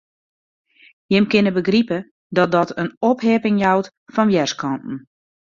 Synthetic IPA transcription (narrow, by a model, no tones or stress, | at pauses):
jɪmkɪnəbəɡripə | dɔt̚dɔtʰənopɦeːpɪŋjawt | fɔnʋjɛrskʰɔntn̩